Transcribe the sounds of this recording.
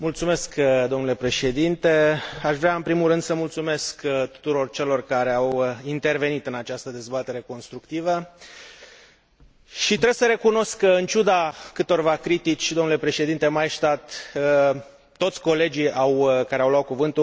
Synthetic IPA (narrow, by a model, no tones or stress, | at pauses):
mult̪sume̞skd̪o̞mnule̞pɾe̞ʃe̞d̪int̪e̞aʃvɾeaɨnpɾimulɾɨnd̪̥səmult̪sume̞skt̪u̥t̪uɾo̞rt͡ʃe̞lo̞rkaɾe̞awint̪e̞rve̞nit̪ɨnat͡ʃast̪əd̪e̞zbat̪e̞ɾe̞ko̞nst̪ɾukt̪ivə | ʃit̪ɾe̞bsəɾe̞kuno̞skːəɨnt͡ʃud̪akɨt̪o̞rvakɾit̪it͡ʃʲd̪omnule̞pɾe̞ʃe̞d̪int̪e̞majʃt̪at̪ | t̪o̞t̪sʲko̞le̞d͡ʒiawkaɾe̞awloat̪̚kuvɨnt̪u